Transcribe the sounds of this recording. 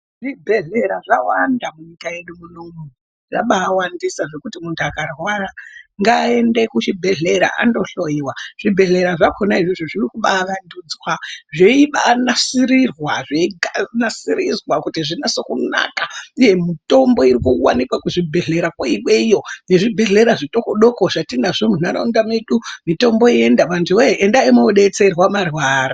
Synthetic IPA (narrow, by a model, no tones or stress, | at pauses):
ʐibʱe̞ɮe̞ɾaʐawandamuɲikaje̞ɗumunome | ʐaɓaːwandisaʐe̞kutimuntʰuakarwaraŋɡaːe̞nde̞kut͡ʃibʱe̞ɮe̞ɾa̰ʔa̰ndo̞ɬo̞jiwaʐ̥ibʱe̞ɮe̞ɾaʐakʰonaiʐiʐoʐirikuɓaːʋanduːd͡zwaʐe̞iɓaːnasiɾirwaʐeiɡʱanasiɾizwakutiʐinasokuna̰kaije̞mito̞mbo̞iɾikuwa̰nikwakuʐibʱe̞ɮe̞ɾakwaiɓwe̞ijo̞ne̞ʐibʱe̞ɮe̞ɾaʐito̞koɗo̞koʐ̥atinaʐomunaɾa̰undameɗumito̞mbo̞ie̞ndamantuweʔendaimoɗe̞t͡se̞rwamarwaːra